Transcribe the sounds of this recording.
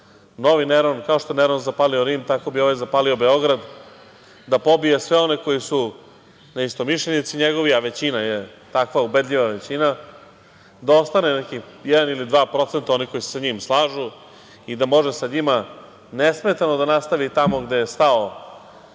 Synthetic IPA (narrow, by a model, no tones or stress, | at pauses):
no̞ʋineɾonkaoʃt̪oeneɾonzapalioɾiːmt̪ako̞bio̞ʋajzapaːlio̞be̞o̞ɡɾad̪ | d̪apo̞bijesʋeo̞ne̞ko̞jisu | naist̪o̞miʃʎenit̪siɲeɡo̞ʋiaʋe̞t͡ɕinaje | t̪akʋaube̞d̪ʎiʋaʋet͡ɕina | d̪ao̞st̪anenekijɛd̪anilid̪ʋaːpɾo̞t̪se̞nt̪ao̞niko̞ise̥saɲimslˠaːʒu | id̪amo̞ʒesaɲima | nesme̞t̪anod̪anast̪aʋit̪amo̞ɡd̪e̞jest̪ao